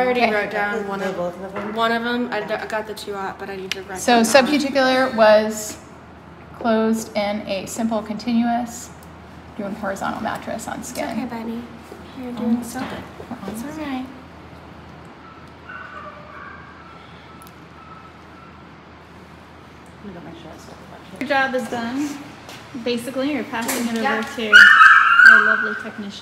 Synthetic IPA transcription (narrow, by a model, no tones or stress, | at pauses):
ɾiɹoʊd̥ãʊ̃wʌ̃nʌboʊθʌvə̃mwʌ̃ñʌvə̃maɪda̰ɪɡɑt̪̚ðɨtʰʉɑt̚b̥ʌɾaɪnid̚tʰɨɹasoʊʊsʌb̚pʰə˞tʰɪkjl̩ˠə˞wʌz̥ | kʰl̥oʊzdɪ̃nɨsɪ̃mpl̩ˠkʰɨ̃ntʰɪ̃njʉɨs | d̥ʉɪ̃ŋhɔɹɨzɑ̰̃ñl̩ˠmæ̰t͡ʃɹ̥ɨ̰sn̩skɪ̰̃nbɛni | hid | aɪ | wiɡɑmeɪkʃo̰sʌ̰̥ | a̰d͡ʒɑbɨzdʌ̃n | beɪsɨklijə˞pʰæsɪ̃ŋɨɾoʊvə˞tʰʉ | əlʌvlitʰɛk̚nɪʃ